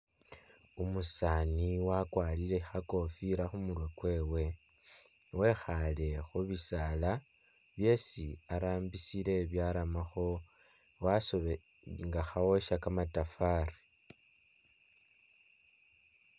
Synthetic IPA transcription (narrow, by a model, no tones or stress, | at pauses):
umusaniwakwaːliɾe̞xako̞fiɾaxumuɾwekwe̞ːwe̞ | we̞xale̞xuβisala | βje̞siaɾaːmbisile̞βjaɾamaxo̞ | waso̞βe | ŋɡaxawo̞ʃakamatafaɾi